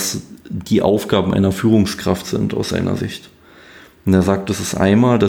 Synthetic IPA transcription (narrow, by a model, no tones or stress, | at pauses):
sd̥iːʔa̰ʊfɡ̥aːbm̩ʔa̰ɪnɐfyːʁ̞ʊŋskʁ̥aftz̥ɪ̰nta̰ʊsz̥a̰ɪnɐ̰zɪ̰çt | ʊnteːɐzaːk̚tɛsɪstʔa̰ɪnmaːlda